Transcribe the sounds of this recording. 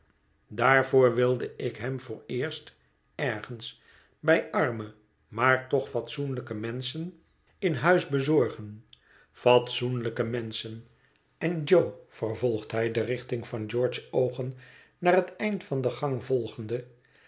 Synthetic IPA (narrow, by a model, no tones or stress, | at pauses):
daːɹvoːɹʋɪlˠdəɪkɦɛmvʊːɹɪːɹst | ɛɹχəns | bɛjʔɑɹmə | maːɹtɔχfɑt̪sunləkəmɛnsən | ɪnɦœɥzbəzɔɹχən | fɑtsunləkəmɛnsən | ɛnd͡ʒowfərvɔlˠχdɦɛjdərɪχt̪ɪŋfɑnd͡ʒɔɹt͡ʃsowχən | naːɾɦətɛjntfɑnd̪əχɑŋvɔlˠχəndə